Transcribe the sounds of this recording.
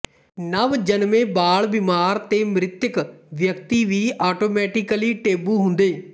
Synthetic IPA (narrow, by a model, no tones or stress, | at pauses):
nəʋd͡ʒənmẽːbaːɭbɪmaːɾt̪eːmɾɪt̪jəkʋjəkt̪iːʋiːʔaːʈoːmɛːʈɪkliːʈeːbuːɦʊnd̪eː